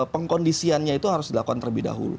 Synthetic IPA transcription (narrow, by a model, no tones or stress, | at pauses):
pəŋkondisianɲait̪uɦaɾʊsdilakukant̪ələbɪhda̰ɦṵlṵ